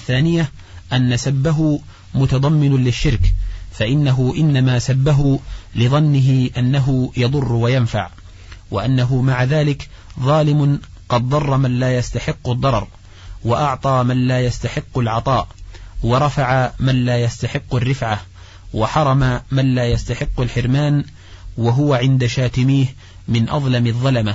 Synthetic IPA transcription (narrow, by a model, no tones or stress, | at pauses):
θːaːnɪja | ʔanːasabːaɦʊ | mʊt̪ɑd̪ˤɑmːɪnlɪʃːɪɾkfaʔɪnːaɦʊʔɪnːamaːsabːaɦʊlɪðˤɑnːɪɦɪʔanːaɦʊjɑðˤʊrˤːwajanfa̰ʕ | wa̰ʔanːaɦʊmaʕaðaːlɪk | ðˤɑːlɪmʊ | qɑd̪̚ðˤɑrˤːɑmanlaːjast̪aħɪqːʊd̪ˤːɑɾˤɑ̰ɾˤ | waʔɑʕt̪ˤɑːmanlaːjast̪aħɪqːalʕɑt̪ˤɑːʔwɑɾˤɑfaʕamanlaːjast̪aħɪqːarːɪfʕa | waħɑɾˤɑmamanlaːjast̪aħɪqːalħɪɾmaːn | waɦʊwaʕɪnd̪aʃaːt̪ɪmiːh | mɪnʔɑ̰ðˤlɑmɑðˤːɑlama